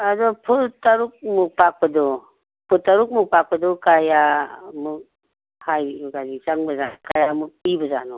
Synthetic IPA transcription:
ɐdɔpʰutaɾuk̚mupak̚pɐdɔ | pʰutaɾuk̚mupak̚pɐdɔkajamuk̚ | hajikazisaŋbɐzakajamuk̚pibɐza̰nɔ

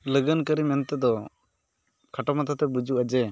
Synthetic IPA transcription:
ləɡənkəɾimɛnt̪ɛd̪ɔ | kʰaʈamat̪ʰat̪ɛbud͡ʒuʔad͡ʒɛ

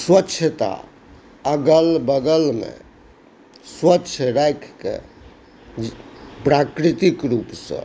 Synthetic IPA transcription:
swətːʃʰət̪a̰ | əɡəlbəɡəlmḛ̃ | swətːʃʰɾajkʰkḛ | pɾakɾit̪ikɾupsə̰̃

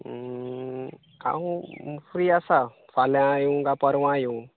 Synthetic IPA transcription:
a̰wũfɾiːasa | falãjuɡapəɾwãju

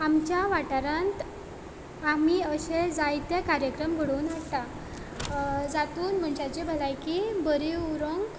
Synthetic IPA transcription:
amt͡ɕjaʋaʈaɾãnt̪ | amiːəɕed͡zajt̪jakaɾjəkɾəmɡʱəɽuːnʋaɽt̪a | d͡zat̪uːnm̤əɳɕat͡ɕebʱəlajkibəɾiuɾoŋɡ

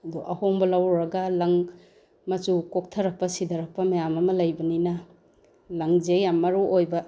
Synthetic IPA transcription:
ɐd̪ɔʔɐhoŋbɐlawɾɐɡalaŋ | mɐt͡ʃukok̚tʰɐɾɐk̚pɐsid̪ɐɾɐk̚pɐmɐjamɐmɐlajbɐninɐ | laŋzejamːɐɾuʔojbɐ

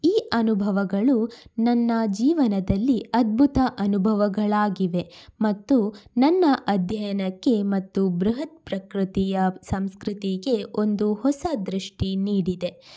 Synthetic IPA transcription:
iːʔɐnubʱɐʋɐɡɐɭunɐnːɐd͡ʒiːʋɐnɐd̪ɐlːiɐd̪̚bʱut̪ɐʔɐnubʱɐʋɐɡɐɭaːɡiʋe̞mɐt̪ːunɐnːɐʔɐd̪ʱjɐjɐnɐkːe̞mɐt̪ːubɾuɦɐt̪̚pɾɐkɾɨt̪ijɐsɐmskɾɨt̪iɡe̞o̞nd̪uhɔsɐd̪ɾiʂʈiniːɽid̪e̞

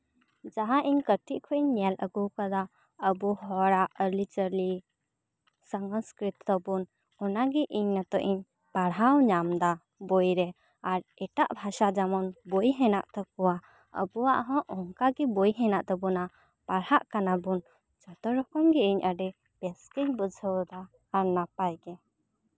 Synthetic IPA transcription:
d͡ʒaɦãʔiɲkəʈiʔkʰɔʔiɲːɛləɡuwkad̪a | əbuɦɔɽaʔəɾlit͡ʃəɾli | saŋɡskɾit̪ːɔbun | ɔnaɡɛʔiɲnat̪ɔʔiɲ | paɽɦawɲamd̪a | bɔjɾɛ | aɾɛʈaʔbʱaʃad͡ʒamɔnbɔjɦɛnaʔt̪ɔkɔwa | ə̰buwaʔɦɔ̃ʔɔŋkaɡɛbɔjɦɛnaʔt̪ɔbuna | paɽhaʔkanabun | t͡ʃɔt̪ɔɾɔkɔmɡɛʔiɲʔaɖɛ | pɛskəɲbud͡ʒʱəwd̪aː | ɾnapajɡɛ

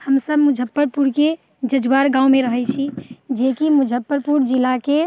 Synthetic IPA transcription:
həmsəbmud͡ʒʱəpːəɾpuɾke | d͡ʒəd͡ʒwaɾɡãumeɾəɦɛt͡ʃʰid͡ʒekimud͡ʒʱəpːəɾpuɾd͡ʒilake

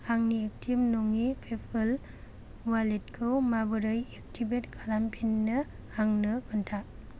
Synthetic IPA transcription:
haŋniek̚tʰibnoŋipʰepʰɯl | walet̚kʰɯwmabɯɾɯjek̚tʰibetkʰalampʰinːɯ | haŋnɯkʰɯntʰa

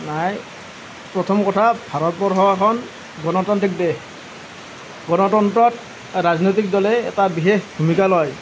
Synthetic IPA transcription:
naj | pɹɔtʰɔmkɔtʰabʱaɹɔt̚bɔɹɦɔwakʰɔn | ɡɔnɔtɔntɹik̚dex | ɡɔnɔtɔntɹɔt̚ | ɹaznojt̬ik̚dɔlɛ̰ːtabixexbʱumikalɔj

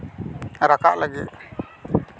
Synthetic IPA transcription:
ɾaka̰ʔlaɡit̪̚

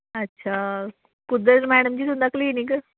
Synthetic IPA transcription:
ɐtːʃʰa | kʊd̪ət̪mɛːɽəmd͡ʑiːt̪̬ʊ̃md̪aklinikə

